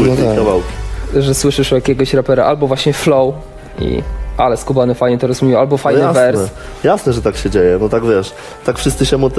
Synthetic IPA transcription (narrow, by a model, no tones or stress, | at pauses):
ɛkavawkʲi̥ʐɛswɘʂɘʂɔwjakʲɛɡɔɕɾapɛɾa̰ʔalbɔvwaɕɲɛflɔw | ḭalɛskubanɛfajɲɛt̪ɔɾɔzmamʲijwalbɔfajjnɛasvɛɾnsɛ | jasnɛʐɛt̪akɕɛd͡ʑejɛnɔt̪aɡvʲjɛʂ | t̪akfʂɘst̪sɘɕɛmut̪